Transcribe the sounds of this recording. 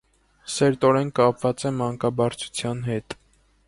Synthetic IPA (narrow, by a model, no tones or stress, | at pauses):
sɛɾt̪ɔɾɛnkɑpvɑt͡sɛmɑŋkɑbɑɾt͡sʰu̥t͡sʰjɑnɦɛt̪